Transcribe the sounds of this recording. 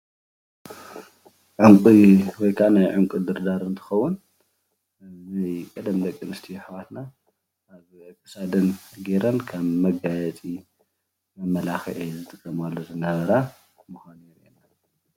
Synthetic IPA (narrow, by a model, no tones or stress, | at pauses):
ʕuŋkʼiwɔjkʰanajʕuŋkʼud̪ɨɾd̪aɾɨnt̪ʰɨ̥xɐwːun | najkʼɐd̪ɐmd̪ɐkʼːɨnɨst̪ʰijħwat̪naː | βʕɨkʰʼːɨsad̪ɨnɡeɾɐnkʰaβmɐɡajɛt͡sʼi | mɐmːɐlaxɨʕizɨt̪ʰʼɨkʼːɐmalːo̞zɨnɐβɐɾa | mɨxanɛɾena